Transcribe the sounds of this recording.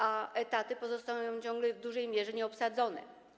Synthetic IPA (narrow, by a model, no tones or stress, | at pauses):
aɛt̪at̪ɘpɔzɔst̪ajɔ̃w̃t͡ɕɔ̃ŋɡlɛvd̪uʐɛjmʲjɛʐɛɲɛɔpsad̪zɔnɛ̰